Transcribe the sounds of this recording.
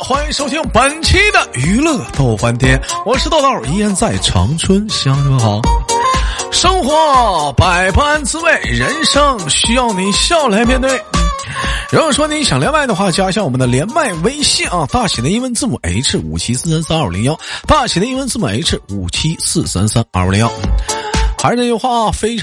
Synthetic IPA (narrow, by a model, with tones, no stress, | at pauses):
xwa˥ni˧˥ŋʂo˥ʊt̪ʰi˥ŋpə˨˩nt͡ɕʰi˥d̪ə˨y˧˥lɤ˥˧˩d̪ə˩t̪ɑ˥˩ʊfa˥nt̪ʰjɛ˥nwɔ˨˩ʂɻ̩˥˧t̪ɑ˥˧ʊt̪ɑ˥ə˞˨˩i˧˥jɛ˥nt͡sa˥˩ɪʈ͡ʂʰɑ̰˧˥ŋʈ͡ʂʰwə˥nɕjɑ˥ŋkɤ˧˥xɑ˧˥ʊ | ʂɤ˥ŋxwɔ˧˥pa˨˩ɪpʰa˥nt͡sɹ̩˥we˥˩ɪɻə˧˥nʂɤ˥ŋɕy˥jɑ˥˩ʊni˧˥ɕjɑ˥˩ʊla˧˥ɪmʲjɛ˥˧nt̪we˥˩ɪ | ɻu˧˥nwɔ˨˩ʂwɔ˥ni˧˥ɕjɑ˨˩ŋljɛ˧˥nma˥˩ɪd̪ə˧xwa˥˩t͡ɕja˥ɕjɑ˥˩ŋwɔ˨˩mə˦nd̪ə˧ljɛ˧˥nma˥˩ɪwe˥ɪɕi˥˩nɐ˧˩t̪a˥˩t͡ɕʰi˨˩d̪ə˦i˥nwə˥nt͡sɹ̩˥˩mu˨˩ʔḛ˧˥ɪʈ͡ʂʰɻ̩˥˩ṵ˨˩t͡ɕʰi˥sɹ̩˥˩sa˥nsa˥nə˞˨˩lḭ˧˥ŋjɑ˥ʊt̪a˥˩t͡ɕʰi˨˩d̪ə˦i˥wə˥nt͡sɹ̩˥˩mu˨˩ḛ˧˥ɪʈ͡ʂʰɻ̩˥˩u˨˩t͡ɕʰi˥sɹ̩˥˩sa̰˥nsa˥nə̰˞˥˧˩xa˧˥ɪʂjo˧˥ʊxwa˥˩˧fe˥ɪʈ͡ʂʰ